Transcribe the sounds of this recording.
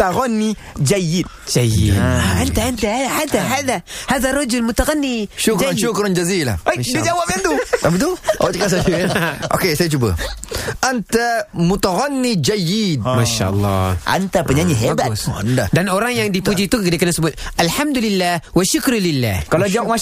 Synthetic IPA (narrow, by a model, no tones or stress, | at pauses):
t̪aɣɔnːi | d͡ʒajid̚d͡ʒajḭant̪aant̪ahadaɦaðahaðarˤɑd͡ʒulmut̪aɣanːiʃukd͡ʒaʃukɾɔnd͡ʒazila̰ajid͡ʒawapant̪ut̪abit̪uat͡ʃikas̬ad͡ʒuʔo̰kesajit͡ʃubə̰ | ant̪amut̪aɣanːid͡ʒajid̚maʃa̰lˠˤːɑʔa̰nt̪apaɲaɲiɦɛbata̰ndadanɔɾaŋjaŋdipud͡ʒit̪uɡədikanasubuʔalħamd̪ulilːahwaʃʊkɾlilːahkalod͡ʒawma